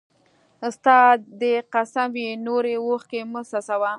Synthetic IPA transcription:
st̪ɑd̪eqasamenoɾewoxkeməsasawa

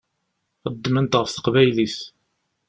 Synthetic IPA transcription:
χəd̪ːmənt̪ʁəfθə̥qvæjlis

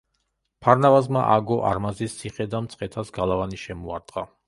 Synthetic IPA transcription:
pʰaɾnavazma̰ʔaɡɔʔa̰ɾmazist̪sʰiχɛd̪amt̪sʼqʼɛt̪ʰasɡalˠavaniʃɛmuaɾd̪ʁa

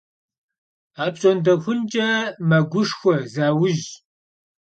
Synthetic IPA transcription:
aːpɕʼondɐxʷʊnt͡ʃʼɐmɐɡʷʊʂxʷɔzaːwʊʒ

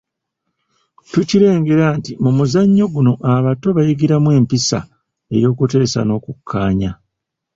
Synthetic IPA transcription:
tuciɾe̞ːŋɡe̞ɾaːntimumuzaɲːo̞ɡuno̞ʔaβato̞βajiɡiɾamwe̞ːmpisa̰ | e̞̰jo̞ːkute̞ːsa̰no̞ːkukʰːaːɲa

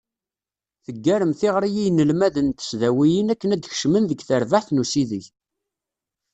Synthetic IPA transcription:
θəɡːæɾəmθɪʁɾijijnəlmæðənt̪ə̥sðæwijinækːənæd̪ç̥ʃmənðəɡθəɾvaħθnusiðiç

